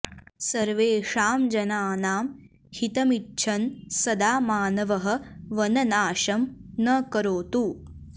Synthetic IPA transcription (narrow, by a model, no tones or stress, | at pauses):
sɐɾʋeːʂaːmd͡ʒɐnaːnaːm | hit̪ɐmitːʃʰɐnsɐd̪aːmaːnɐʋɐɦɐ̆ʋɐnɐnaːʃɐmnɐkɐɾoːt̪u